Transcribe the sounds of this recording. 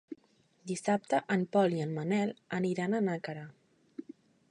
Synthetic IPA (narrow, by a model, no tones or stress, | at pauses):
d̪isap̚t̪əʔəmpɔliənmənɛlˠəniɾanənakəɾə